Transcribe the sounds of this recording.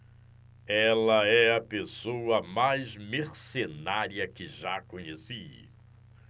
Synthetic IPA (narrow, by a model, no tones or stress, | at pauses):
ɛlɐɛɐpesowɐmajzmeɾsenaɾiɐkɪʒakõɲesi